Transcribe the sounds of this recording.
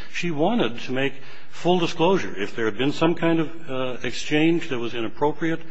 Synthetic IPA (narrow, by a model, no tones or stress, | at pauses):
ʃiwɑ̃ɾ̃ɨd̚tʰɨmeɪk | fʊlˠdəskloʊʒə̰˞ɨfðə˞ɨd̚bɨ̃nsʌ̃mkʰãɪ̃ndʌv | ɨkst͡ʃʰẽɪ̃nd͡ʒðɨt̚wʌzɨ̃ñɨpʰɹ̥oʊpɹiɨt̚